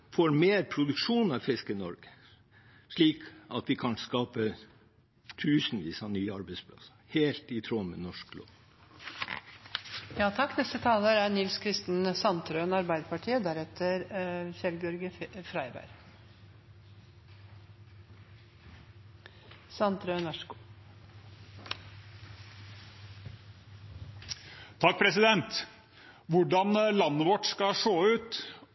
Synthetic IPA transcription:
foːɾmeːɾpʰɾʊd̪ʉkʂuːnɑʋfɪskənɔɾɡə | ʂɭiːkɑt̪ʋɪkʰɑnskɑːpə | t̪ʰʉːsn̩ʋiːsɑnyːɑɾbɛɪspʰlɑ̰səheːlt̪ɪt̪ʰɾoːmə̰nɔʂklo̰ːʋ | jɑːt̪ʰɑkːnɛst̪ət̪ʰɑːləɾænɪlskʰɾɪst̪n̩sɑnt̪ɾøːnɑɾbæɪd̪əpɑʈʰiːəd̪æɾɛt̪ʰəɾçɛlɡəɔɾɡəfɾæɪbæ̰ɾ | sɑnt̪ɾøːnʋɑʂəɡuː | t̪ʰɑk̚ːpʰɾɛsɪd̪ɛnt̪ | ʋʊɖɑnlɑnːəʋɔʈskɑʂoːʉːt̪

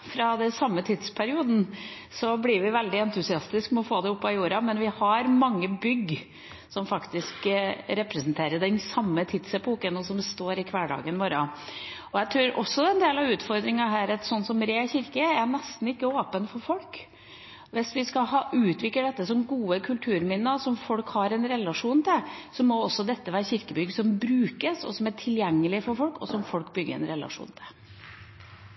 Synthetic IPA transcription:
fɾɑd̪ɛsɑmːət̪ʰɪd̪spʰæɾɪuːd̪n̩ | sɔblɪɾʋɪʋɛld̪ɪɛnt̪ʉsɪɑst̪ɪskmɛɔfoːd̪ɛʊpːɑjuːɾɑmɛnʋɪhɑɾmɑŋːəbʏɡ | sɔmfɑkt̪ɪskɾɛpɾɛsnt̪ʰeːɾəɖɛnsɑmːət̪ʰɪd̪sɛpʰuːkənɔsɔmst̪oːɾɪkʰʋæːɖɑ̰ːɡənʋoːɾɑɔæt̪ʰɾuːɾʔɔsːɔɛnd̪eːlɑʋʉːt̪fɔɾd̪ɾɪŋɑɦæːɾɑt̪sɔnsɔmɾeːçɪɾkəænɛst̪n̩ɪkːəoːpənfɔɾfɔlk | ʋɪsʋɪskɑɦɑːʔʉːt̪ʋɪk̪ːəɖɛt̪ːəsɔmɡuːəkʰʉlt̪ʰʉːɾmɪnːəsɔmfɔlkhɑɾɛnɾɛlɑʂuːnt̪ʰɪsɔmɔɔsːɔd̪ɛt̪ːəʋæːɾçɪɾkəbʏɡsɔmbɾʉːkəsɔ̰sɔmæʈʰɪljɛŋːəlɪfɔɾfɔlkɔ̰sɔmfɔlkbʏɡːə̰ɾɛ̰nɾɛlɑ̰ʂṵːnt̪ʰɪ̥l

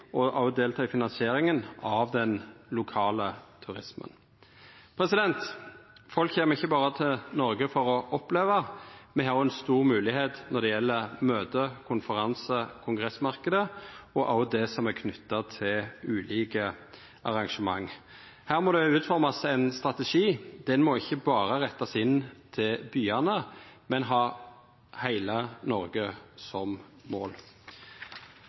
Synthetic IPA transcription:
ɔʔɑʊd̪eːlt̪ʰɑːɪfɪnɑnsɪeːɾɪŋənɑʋd̪ɛnlʊkʰɑːlət̪ʰʉʁɪsmə̰n | pʰɾɛsɪd̪ɛnt̪fɔlkçeːməɪçːəbɑːɾət̪ʰɪlnɔɾɡəfɔɾɔʔɔpleːʋɑmɛɦhɑːɾʊɛnst̪uːʁmʉːlɪheːt̪nɔʁd̪ɛjɛlːəmøːt̪əkʰʊnfəʁɑnsəkʰʊŋɡʁɛsmɑʁkəd̪əɔʔɑld̪ɛsɔmækʰnʏt̪ːɑt̪ʰɪlʉːliːkə | ʔɑʁɑŋʂəmɑŋː | hæːʁmɔd̪ɛʉːt̪fɔʁmɑsɛɪnst̪ʁɑt̪əʂiːd̪̥ɛnmɔɪçːəbɑːʁəʁɛt̪ːɑsɪnt̪ʰɪlbyːɑnəmɛnɦɑː | hæɪlənɔʁɡəsɔmmo̰ːl

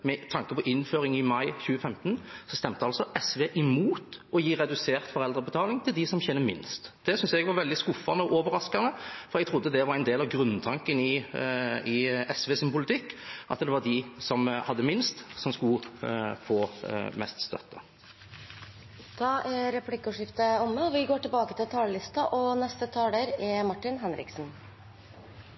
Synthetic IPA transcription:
mɛt̪ʰɑŋkəpʰɔʔɪnːføːɾɪŋɪmɑɪçʉːəfɛmt̪ənsɔst̪ɛmt̪əɑlsɔʔɛsʋeːʔɪmuːt̪ɔjiːʁɛd̪ʉseːʁt̪fɔɾɛld̪ɾəbət̪ʰɑːlɪŋt̪ʰɪld̪ɪsɔmçɛnːəmɪ̰nst̪d̪ɛsʏnsɛɡʋɑɾʋɛld̪ɪskʊfɑnəɔʔoːʋəɾɑskɑnəfɔɾɛɡt̪ʰʁʊd̪ːəd̪ɛʋɑɾæɪnd̪eːlɑʋɡɾʉnːt̪ʰɑŋkənɪ | ɪɛsʋeːsɪnpʊlɪt̪ʰɪkːʔɑ̰t̪d̪ɛʋɑɖɪsɔmhɑd̪ːəmɪnst̪sɔmskʉfoːmɛ̰st̪st̪œ̰t̪ːə | d̪̥ɑːʔæɾɛpʰlɪkːəuːʂɪft̪əɔmːəɔʋɪɡoːʈɪlbɑːkət̪ɪlt̪ʰɑːləlɪst̪ɑʔɔnɛst̪ət̪ʰɑːleːɾɛmɑʈːɪnɦɛnɾɪ̰ksn

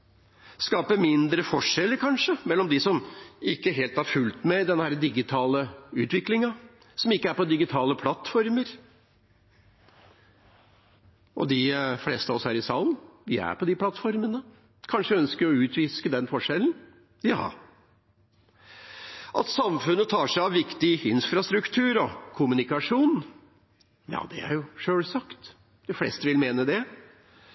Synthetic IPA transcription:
skɑːpəmɪnd̪ɾəfɔʂɛlːəɾkʰɑnʂəmɛlːɔmd̪ɪsɔmɪkːəɦeːlt̪hɑɾfʉlt̪mɛd̪ɛnːəhæːɾəd̪ɪɡɪt̪ʰɑːləʉːt̪ʋɪklɪŋɑ | sɔmɪkːəæɾpɔd̪ɪɡɪt̪ʰɑːləpʰlɑt̪ːfɔɾməɾ | ʔɔ̰d̪ɪflɛst̪əɑɔsæːɾɪsɑːlnʋɪæ̰ɾpɔd̪ɪpʰlɑt̪ːfɔɾmənə | kʰɑnʂəœnskəɾɔʉːt̪ʋiːskəd̪ɛnːfɔʂɛln̩ | jɑ̰ː | ʔɑt̪sɑmfʉnːət̪ʰɑːʂæɪɑʋʋɪkt̪ɪɪnfɾɑst̪ɾʉkt̪ʰʉːɾɔkʰʊmʉnɪkɑʂuːn | jɑ̰ːd̪ɛ̰æ̰ɾjʊʂøːlsɑkt̪ | d̪̥ɪflɛ̰st̪əʋɪlmeːnəd̪ɛ

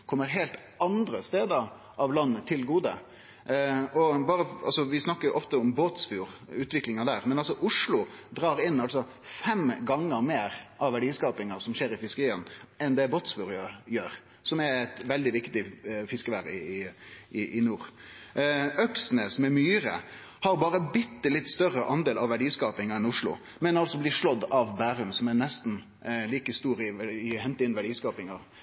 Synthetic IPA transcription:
kʰɔmːəɾɦelt̪ | ʔɑnd̪ɾəst̪eːd̪ə | ʔɑʋlɑnːət̪ʰɪlɡuːd̪ə | ɔbɑːɾəɑ̰lsɔʋɪsnɑkːəjʊʔɔft̪əʊmboːt̪sfuːɾʉːt̪ʋɪklɪŋɑd̪æːɾmɛnɑlsɔʔʊʂlʊd̪ɾɑːɾɪnːɑlsɔ | fɛmɡɑŋːəɾmeːɾʔɑʋæɖiːskɑːpɪŋɑsɔmʃeːɾɪfɪskəɾiːənɛnd̪ɛboːt̪sfuːɾjøːɾ | sɔmæɛt̪ʋɛld̪ɪʋɪkt̪ɪfɪskəʋæɾɪ̰ɪɪʔɪnuːɾ | œksnəsmɛmyːɾə̰ | hɑɾbɑːɾəbɪt̪ːəlɪt̪ːst̪œɾːəʔɑnd̪eːlɑʋæɖiːskɑːpɪŋɑɛnʊʂɭʊ̰ | mɛnɑlsɔblɪʂɭɔd̪ːɑʋbæːɾʉmsɔmænɛst̪n̩ | liːkəst̪uːɾɪʋɪhɛnt̪ɪnʋæɖiːskɑːpɪŋɑʁ

